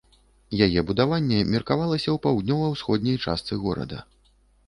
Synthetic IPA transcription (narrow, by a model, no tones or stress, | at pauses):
jajɛbud̪avanʲːɛmʲirkavalˠɐsʲɐwpawd̪nʲɔvɐjwsxɔd̪ʲnʲɐjt͡ʂa̰st̪sɨɣɔɾɐ̰d̪ɐ̰